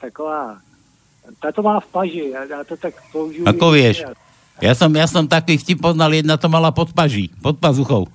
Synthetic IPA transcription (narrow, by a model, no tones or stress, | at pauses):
t̪akoʋaː | t̪at̪ɔmaːfpaʒɪjajaːt̪ot̪akpouʒiakɔʋɪɛʃ | jasɔmjasɔmt̪akʋiːfcip̚pːɔznaljɛd̪nat̪ɔmalapɔt̪paʒiːpɔt̪̚pazuxɔʊ